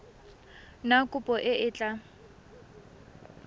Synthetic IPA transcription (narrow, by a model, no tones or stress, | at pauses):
nakʼʊpʼɔʔɪʔɪːt͡ɬʼa